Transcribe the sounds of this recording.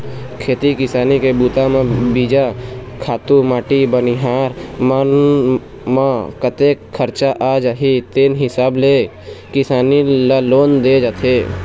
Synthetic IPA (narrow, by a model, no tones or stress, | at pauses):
kʰeːt̪ikɪsaːnikebuːt̪amẽbiːd͡ʒakʰaːt̪umaːʈibəniɦaːɾmən | makət̪eːkʰːəɾt͡ʃaʔaːd͡ʒaɦit̪eːnɦɪsaːble | kɪsaːnilaloːnd̪eːd͡ʒaːt̪ʰeː